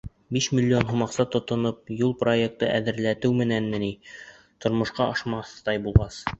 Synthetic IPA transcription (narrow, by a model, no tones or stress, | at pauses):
biʃmʲilʲːio̞nɦumɑqsɑt̪ŏt̪ŏnop̚julˠproek̚t̪ɤʔæðɘ̆ɾlæt̪ɘwmɘ̆nænmɘni | t̪ŏɾmŏʃqɑɑʃmɑθt̪ɑjbulˠʁɑs